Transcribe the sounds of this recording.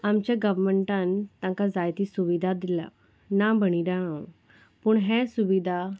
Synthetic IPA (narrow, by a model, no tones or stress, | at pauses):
amt͡ɕjaɡəʋməɳʈãnt̪ãŋkad͡zajt̪isuʋid̪ʱad̪ila̰ | nabəɽ̃id̪aãw | puːɳɦɛ̃suʋid̪ʱa